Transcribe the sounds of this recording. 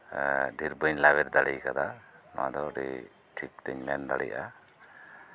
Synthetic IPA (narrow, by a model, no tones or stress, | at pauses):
ɖʱiɾbəɲlabɛɾd̪aɽijkad̪ama̰d̪ɔɖḭ | ʈʰik̚t̪əɲmɛnd̪aɽḭjʔʔa̰